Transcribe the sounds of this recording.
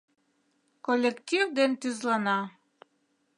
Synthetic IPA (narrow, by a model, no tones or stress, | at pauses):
kolʲːektʲivd̪ent̪yzlˠɑnɑ